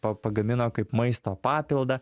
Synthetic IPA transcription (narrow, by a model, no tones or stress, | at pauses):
pɐpɐɡɐmʲɪnoːkɐɪpmɐɪst̪oːpɑːpʲɪlˠd̪ɐ